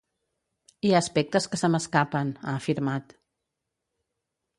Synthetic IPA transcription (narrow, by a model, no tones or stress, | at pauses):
iaːspɛk̚t̪əskəsəməskapəna̰ːfiɾmat̪